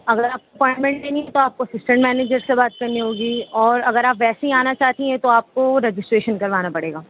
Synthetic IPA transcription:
ɐɡəɾaːp̚koɐpɔ̃ːɪ̃ɳʈmɛ̃ɳʈneːniɦɛ̃t̪oaːp̚koɐsɪsʈɛ̃ɳʈmɛːneːd͡ʒəɾsebaːt̪̚kɐɾniɦoːɡiɔːɾɐɡəɾaːpʋɛːseɦĩaːnat͡ʃaːɦt̪ĩɛ̃t̪oaːp̚koɾɛd͡ʒɪsʈɾeːʃənkɐɾʋaːnapɐɽeːɡaː

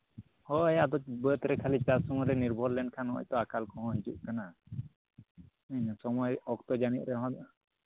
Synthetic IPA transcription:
hɔɛjad̪ɔt͡ʃ̚bət̪ɾɛkʰalit͡ʃasɔŋɔɾɛniɾbʱɔllɛɳɖkʰanɔɔ̰c̚t̪ɔakalkɔɦɔ̃ɦid͡ʒuʔ̚kana | əɲasɔmɔjɔk̚t̪ɔd͡ʒaniʔ̚ɾɛɦɔ̃

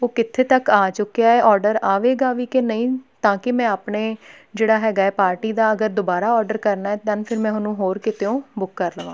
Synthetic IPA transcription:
oːkɪt̪ʰeːt̪əkaːt͡ʃʊkːejaːɛːʔɔːɾɖəɾaːʋeːɡaːʋiːkenəĩːt̪ãːkɪmɛ̃ːaːpɳeː | d͡ʒeːɽaːɦɛːɡaːɛːpaːɾʈiːd̪aːəɡəɾd̪oːbaːɾaːɔːɾɖəɾkəɾnaːɛːt̪ãːnpʰɪɾmɛ̃ːɦʊnũːɦoːɾkɪt̪ʰeːõːbʊkːəɾləʋãː

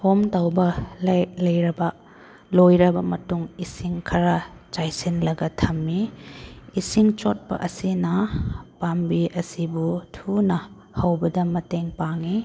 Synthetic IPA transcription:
homtawbɐllɐjɾɐbɐ | lojɾɐbɐmɐtuŋisiŋkʰɐɾɐt͡ʃajsinlɐɡɐtʰɐmːi | isiŋt͡ʃot̚pɐ̰ʔɐsinɐpambiʔɐsibutʰunɐ | hɐwbɐdɐmɐteŋpaŋi

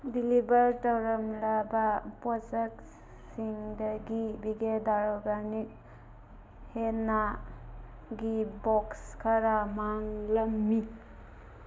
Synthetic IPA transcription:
dilibɐɾtawɾɐmlabapɔsak | siŋdɐɡibiɡedaɾoɡanik̚ | hena | ɡibɔkskʰaɾamaŋlɐmːi

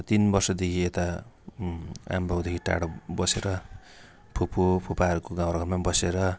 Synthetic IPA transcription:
t̪inbʌrsʌd̪ekʰiet̪a | a̰mbawd̪ekʰiʈa̰ɽʌbʌseɾʌ | pʰupʰopʰupaɦʌɾukoɡãw̃ɾaɡʌnmabʌseɾʌ

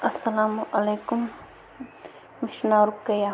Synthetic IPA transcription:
ɐsɐlaːmʔɐleːkʊm | ɪʃnaːɾukːɐja

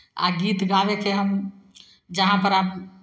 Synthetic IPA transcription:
a̰ɡit̪ɡabekeɦəm | d͡ʒəɦãpəɾab

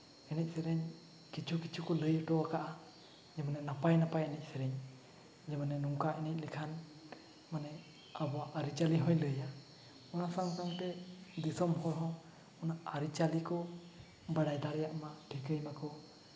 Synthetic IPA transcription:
ɛnɛc̚sɛɾɛɲ | kit͡ʃʰukit͡ʃʰukɔləjʈɔakaʔa | d͡ʒɛmanɛnapajnapajɛnɛc̚ˀsɛɾɛɲ | d͡ʒɛmanɛnuŋkaʔɛnɛc̚ˀlɛkʰan | manɛ | abɔaʔaɾit͡ʃaliɦɔ̃jləja | ɔnasaŋsaŋt̪ɛd̪isɔmɦɔjɦɔ̃ | ɔnaaɾit͡ʃalikɔ | baɽajd̪aɾɛjaʔmaʈʰikɾəjmakɔ

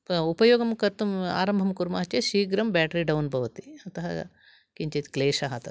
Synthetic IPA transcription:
upɐjoːɡɐmkɐɾt̪uma̰ːɾɐmbʱɐmkuɾmɐɦɐt͡ʃjɐʃiːɡɾɐmbaːʈɐɾiɖɐwnbʱɐʋɐt̪iɐt̪ɐɦɐ | kiɲt͡ʃɐt̪i̥kleːʃɐɦɐt̪ɐ

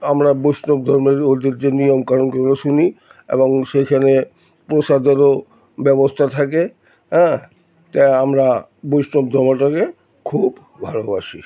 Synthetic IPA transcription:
amɾabojsnob̚d̪ʱɔɾmeɾod̪iɾd͡ʑenijomkaɾonkooʃuni | ḛboŋʃekʰane | pɾoʃad̪ʱeɾo | bɛbost̪ʰat̪ʰak̬e | ɦɛ̃ | t̪aamɾa | bojsnob̚d̪ʱɔɾmaʈake | kʰub | bʱalobaʃi

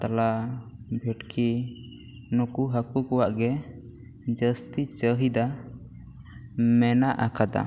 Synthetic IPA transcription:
t̪alabʱɛʈkʰi | nukuɦakukɔwaʔɡɛ | d͡ʒəst̪it͡ʃəɦid̪a | mɛnaʔakad̪a̰

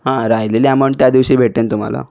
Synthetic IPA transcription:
ɦãɾajleliaməɳt̪jad̪iʋɕiːbʱeʈ̚ːent̪um̤a̰la̰

